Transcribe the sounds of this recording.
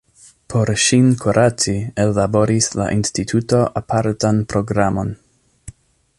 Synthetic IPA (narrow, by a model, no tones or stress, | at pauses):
pʰo̞ɾʃinkʰoɾʔat͡sielːabo̞ɾisla̰ʔinstitʰuto̞ʔapʰaɾtanpɾo̞ɡɾamo̞n